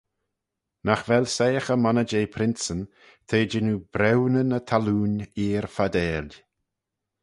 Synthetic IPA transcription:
naxvɛlʲsejəxəmanəd͡ʒejpʰɾɪnsən | t̪ʰeːd͡ʒɪnubɾɛwnənət̪ʰaluːniːɹfad̪ɛːlʲ

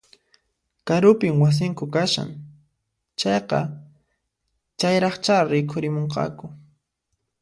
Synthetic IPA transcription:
kaɾʊpɪmwas̬ɪŋkʊkaʃa̰ŋ | t͡ʃɑjqɑ̰ | t͡ʃajɾɑχt͡ʃaɾɪkʰʊɾɪmoɴqɑ̰kʊ

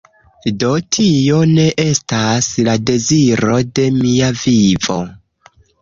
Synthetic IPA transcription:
do̞tʰio̞ne̞ʔe̞staslade̞ziɾo̞de̞miavivo̞̰

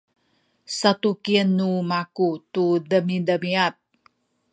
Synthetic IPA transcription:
sat̪ukiənːumakut̪udəmidəmiat̪̚

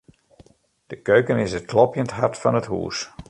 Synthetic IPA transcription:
d̥əkøɥkənɪsət̚klɔpjəntɦartfɑnəthṵːs

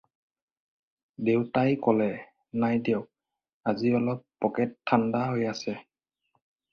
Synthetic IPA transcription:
dewtajkɔlɛ | najdew | aziɔlɔpːɔkɛtʰːandaɦojasɛ

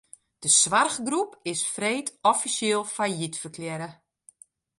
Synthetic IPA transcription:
d̥əsʋarɣɡrupɪsfreːtʰɔfisjɪːlˠfajitfərkʰljɛɾə

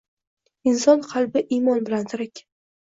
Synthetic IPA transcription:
ɪnsɒnqʰɑlˠbɪʔimɒnbɪlant̪ʰʊɾakʲ

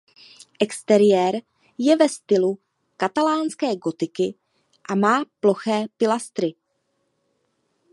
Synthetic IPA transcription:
ʔɛkst̪ɛɾɪjɛːɾ | jɛvɛst̪ɪlu | kat̪alaːnskɛːɡo̞t̪ɪkɪ | ʔamaːplo̞xɛːpɪlast̪ɾɪ

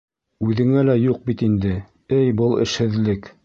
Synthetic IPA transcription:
ʉðɘ̆ŋælæjuq̚bit̪ind̪ɘ | ɘjbɤlˠɘ̰̆ʃhɘ̆ðlɘk

